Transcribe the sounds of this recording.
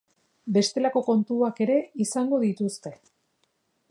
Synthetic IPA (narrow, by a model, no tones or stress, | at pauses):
be̞st̪e̞lako̞ko̞nt̪uake̞ɾe̞isaŋɡo̞ðit̪ust̪e̞